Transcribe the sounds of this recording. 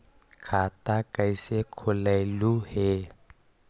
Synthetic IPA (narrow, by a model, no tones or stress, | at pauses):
kʰat̪akajsekʰolaluhe